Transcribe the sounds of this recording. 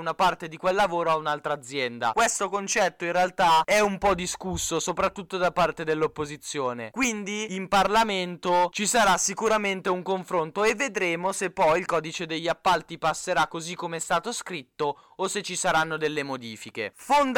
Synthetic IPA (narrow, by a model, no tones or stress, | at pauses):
unapart̪ed̪ikwelːavoːɾoaunalt̪ɾaːd̪zːjɛnd̪a̰kwest̪okont͡ʃɛt̪ːoinrealt̪aɛumpɔd̪iskusːosopɾat̪ːut̪ːod̪apart̪ed̪elːopːozit̪sːjoːnḛkwind̪iimparlament̪ot͡ʃisaɾasːikuɾament̪euŋkoɱfɾont̪oevːed̪ɾeːmosepːɔjilkɔːd̪it͡ʃed̪eʎːapːalt̪ipasːeɾakːozikːomeɛst̪aːt̪oskɾit̪ːo | oset͡ʃːisaɾanːod̪elːemod̪iːfikḛfond̪